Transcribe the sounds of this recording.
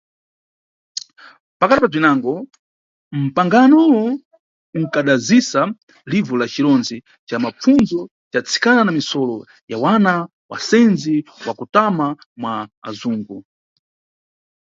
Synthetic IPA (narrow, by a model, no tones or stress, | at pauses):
pakatipab͡ʐinaŋɡɔ | m̩paŋɡanɔwɔ | uŋkaɗazisa | livɔlat͡ʃiɾɔnd͡zi | t͡ʃamap͡funzɔ | t͡ʃat͡sʰi̥kananamisɔlɔ | jawana | wa̰sɛnd͡ziwakutama | mwa̰ːzuːŋɡu